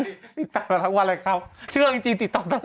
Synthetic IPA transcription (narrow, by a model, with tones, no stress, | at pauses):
t̪i˨˩t̪̚t̪ːaː˨˩a˧˩t̪ʰa˧˥ŋwaː˧˩la˧˩kʰa˦˥p̚t͡ɕʰɯ˥˩əŋt͡ɕi˧ŋt͡ɕi˧ŋt̪i˨˩t̪̚ːɔː˨˩t̪a˧˥˦